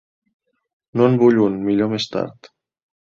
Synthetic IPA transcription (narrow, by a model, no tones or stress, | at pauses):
noənbuʎunmiʎomest̪a̰ɾt̪